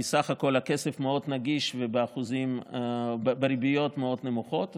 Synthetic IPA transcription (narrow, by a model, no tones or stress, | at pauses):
isaχako̞lake̞sefmeo̞d̪naɡiʃvebeaχuzim | beɾibijo̞t̪meo̞d̪ne̞muχo̞t̪